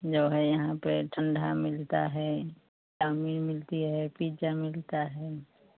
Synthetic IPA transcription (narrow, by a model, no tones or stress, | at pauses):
d͡ʒoːɦɛjɐɦãpeʈʰə̃ɳɖʱamɪlt̪a̰ɦɛː | kaːmimɪlt̪iɦɛpiːt͡ʃamɪlt̪aɦɛː